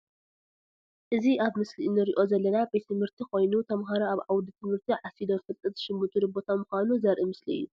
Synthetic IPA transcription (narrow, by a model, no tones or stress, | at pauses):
ʔɨziʔaβmɨsliʔnɨɾiʔo̞zɐlːɐnabejt̪ʰɨmhɨɾt̪ʰiko̞jnut̪ʰɐmɦaɾaaβʕawd̪it̪ʰɨmhɨɾt̪ʰiʕasid̪ofɨlt̪ʼɨt̪ʃɪmbut̪ʰʼuɾɨbot̪ʰamɨxanuzɐɾʔimɨsliɨ̰jːu